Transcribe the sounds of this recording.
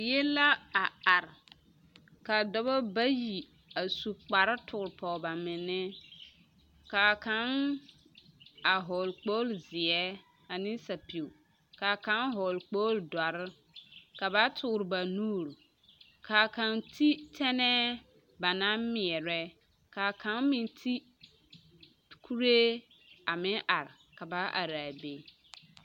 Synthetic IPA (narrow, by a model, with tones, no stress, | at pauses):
jɛ˦la˦a˨a˨ɾ | ka˨dɔ˦bɔ˦ba˦ji˨ | a˨su˨k͡pa˨ɾa˦tʰʊ˨ɾpɔ˨ba˨mɪ˨nːɪ˦ | ka˨ka˨˦ŋ | a˨ɦɔ˨lk͡po˦lzɪ˨ɛ˦ | a˨nɪ˦sa˨pi˨u˨ | ka˨ka˨˦nɦɔ˨lk͡poː˦ldɔ˨ɾɪ˦ | ka˨ba˦tʰʊ˦˨ɾba˨nuː˦˨ɾ | kʰa˨ka˨ntʰi˦tʰɛ˦nɛ˦ | ba˨na˦mmɪ˨ɛ˨ɾɛ˦ | ka˨ka˦nmɪ˨ntʰi˦ | kʰu˦ɾe˦ | a˨mɪ̃˦ʔa˨ɾka˨ba˦ʔa̰˨ɾa˨be˦